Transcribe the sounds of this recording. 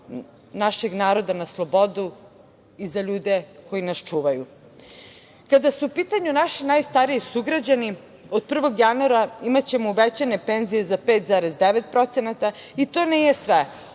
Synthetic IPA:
naʃe̞ɡnaːɾo̞d̪anaslˠo̞bo̞d̪u | izaʎuːd̪e̞ko̞jinast͡ʃuːʋaju | kad̪asuupiːt̪aɲunaʃinajst̪aɾiisuɡɾad͡ʑani | od̪̚pr̩ʋo̞ɡjanuaɾaimat͡ɕe̞mouʋet͡ɕanepenzije̞zapet̪zaɾezd̪eʋet̪̚pɾo̞t̪senat̪ait̪o̞ːnijesʋe

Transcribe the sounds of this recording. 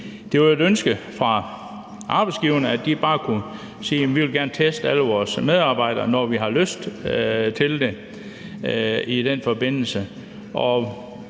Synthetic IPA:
d̥e̝ʋɑed̥ønsɡ̥əfʁɑ̈ | ʔɑ̈b̥ɑ̈ɪdsɡ̥iʊɐnəædd̥ib̥ɑ̈ːkʰu | sḭːemʋiʋe̝lɡ̥æɐnət͡sʰesd̥æləʋɒːsmeð̞ˠɑ̈ːb̥ɑ̈ɪ̰ɾ̥ɐnɒʋiɦɑ̈løsd̥t͡sʰe̝ld̥e̝ | id̥enfɒ̽be̝n̰l̩sə | ʔɒ̽

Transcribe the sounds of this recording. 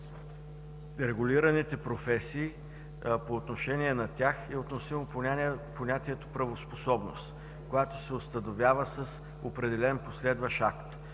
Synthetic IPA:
ɾɛɡʊlʲiɾɐnit̪ɛpɾofɛsiː | poːt̪noʃɛnʲiɛnɐt̪ʲjaxɛot̪nosimopoponʲat̪iɛt̪o̥pɾɐvosposɔbno̰st̪ | kojat̪osɛost̪ɐnovʲjavəsɐs | opɾɛd̪ɛlɛnposlɛd̪vəʃakt̪

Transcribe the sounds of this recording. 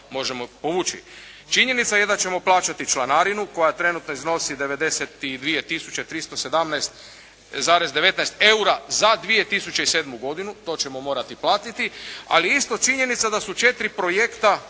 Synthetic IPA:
mo̞ʒe̞mo̞po̞ʋuːt͡ʃḭ | t͡ʃiɲe̞nit̪saje̞d̪at͡ʃe̞mo̞plˠaːt͡ʃat̪it͡ʃlanaɾinuko̞jat̪ɾe̞nut̪noizno̞sid̪e̞ʋe̞d̪e̞set̪id̪ʋije̞t̪isut͡ɕe̞t̪ɾist̪o̞se̞d̪amnajst̪ | zaːɾezd̪e̞ʋe̞t̪najst̪e̞uɾazad̪ʋije̞t̪isut͡ɕeise̞ːd̪muɡo̞d̪inut̪o̞ːt͡ɕe̞mo̞mo̞ːɾat̪iplˠaːt̪it̪ia̰liist̪o̞t͡ʃiɲe̞nit̪sad̪asut͡ʃe̞t̪ɾipɾo̞jekt̪a

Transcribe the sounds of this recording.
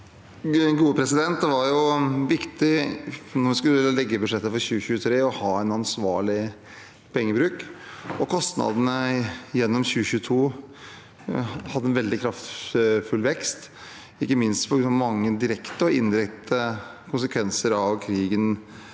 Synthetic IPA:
ɡuːəpʰɾɛsɪd̪ɛnt̪̚d̪ʋɑɾjʊʋɪkt̪ɪnɔɾʋɪskʉlːəəlɛɡːəbʉd̪ʂɛt̪ːəfɔɾɕʉːəɕʉːət̪ʰɾeːɔhɑːɛnɑnsʋɑːɭɪ | pʰɛŋːəbɾʉːkɔkʰɔst̪nɑ̰d̪ənəjɛnːɔmçʉːəçʉːt̪ʰuː | hɑd̪ːəɛnʋɛld̪ɪkʰɾɑft̪fʉlʋɛkst̪ | ɪkːəmɪnst̪pʰɔɡɾʉnɑmɑŋːəd̪ɪɾɛkt̪əɔɪnd̪ɪɾɛkt̪əkʰʊnsəkʰʋɛnsəɾɑʋkʰɾiːɡən

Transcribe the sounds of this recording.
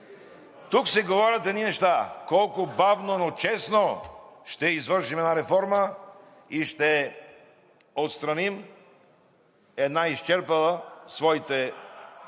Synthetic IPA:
t̪uksɛɡovɔɾɐt̪ɛniɛʃt̪akɔlˠkʊbavnonot͡ʃɛsnoʃt̪ɛizvəɾʃimɛd̪naɾɛfɔɾmə | iʃt̪ɛ | ot̪st̪ɾanim | ɛd̪naiʃt͡ʃɛɾpɐlˠəsvɔit̪ɛ

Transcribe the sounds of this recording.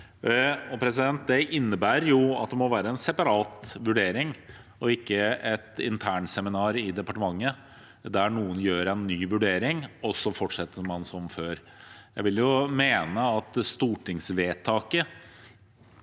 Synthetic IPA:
ɔpʰɾɛsɪd̪ɛnt̪̚d̪ɛʔɪnːəbæːɾjʊɑt̪̚d̪ɛmɔʋæːɾəɛnsɛpɑɾɑːt̪ʋʉɖeːɾɪŋ | ɔɪkːəɛt̪ɪ̰nt̪ʰæːɳsɛmɪnɑːɾɪd̪ɛpɑʈəmɑŋːə | d̪æɳuːənjøːɾɛnːyːʋʉɖeːɾɪŋɔsːɔfɔʈʂɛt̪ːəɾmɑnsɔmføːɾ | jæɪʋɪljʊmeːnəɑt̪st̪uːʈʰɪŋsʋeːt̪ʰːɑːkə

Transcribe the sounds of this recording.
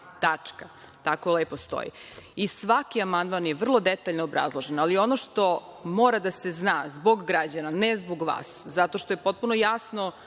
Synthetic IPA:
t̪at͡ʂka | t̪akoleːpo̞st̪o̰jḭ | isʋakiamand̪manjeʋr̩lˠo̞d̪et̪aːʎnoːbɾa̰zlˠoʒenalio̞noʃt̪o̞moːɾad̪aseznaːzboɡːɾad͡ʑananezboɡʋa̰ːszat̪o̞ʃt̪o̞jepo̞t̪̚punojasno̞

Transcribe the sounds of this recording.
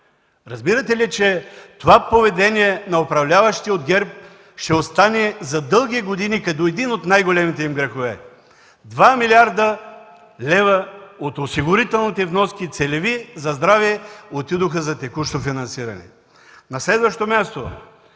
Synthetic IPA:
ɾɐzbiɾɐt̪ɛlit͡ʃɛt̪ovapovɛd̪ɛniɛnɐopɾɐvlʲavɐʃt̪iod̪ɡʲɛɾp̚ | ʃt̪ɛost̪anɛzɐd̪ɤlˠɡiɡod̪inikɐt̪ɔɛd̪inot̪najɡolɛmit̪ɛimɡɾɐxovɛ | d̪vamiliaɾd̪ə | lɛvɐot̪osiɡʊɾit̪ɛlˠnit̪ɛvnɔskit̪sɛlɛvizɐzd̪ɾaviɛot̪id̪oxəzɐt̪ɛkuʃnofinɐnsiɾɐnɛ̰ | nɐslɛd̪vɐʃt̪omʲjast̪o

